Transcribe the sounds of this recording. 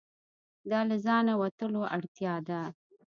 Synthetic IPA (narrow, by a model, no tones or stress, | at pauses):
d̪ɑlazɑnawat̪əloʔaɽt̪jɑd̪a